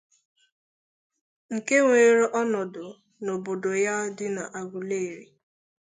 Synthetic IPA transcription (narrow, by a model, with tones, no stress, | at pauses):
ŋ̩˨ke˦ŋʷe˨e˦ɾe˦ʔɔ˦nɔ˨dʊ˨ | no˨bo˨do˨ja˦dɪ˦na˨ʔa˨ɡʷu˨le˦˨ɾi˨